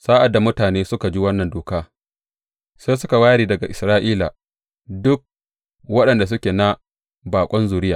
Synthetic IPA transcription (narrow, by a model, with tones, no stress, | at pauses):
saː˦ʔa˨dːa˨mʊ˦taː˨neː˦sʊ˦ka˨d͡ʒiː˦wɐ˦nːɐ˨ndoː˨kaː˦ | se˦sʊ˦ka˨waː˦ɾiː˦dɐ˨ɡa˨ʔɪ˨sɾaː˦ʔiː˦la˨ | dʊ˦k̚ | wɐ˦ɗɐ˨nda˨s̬ʊ˦kʲeː˨na˦ | baː˨kʷʼɐ˦nzuː˨ɾɪ˦jaː˨